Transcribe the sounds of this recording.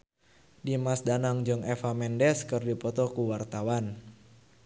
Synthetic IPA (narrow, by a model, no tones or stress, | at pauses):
dimasdanaŋd͡ʒɔŋɛfamɛndɛskɨrdipɔt̪ɔkuwart̪awan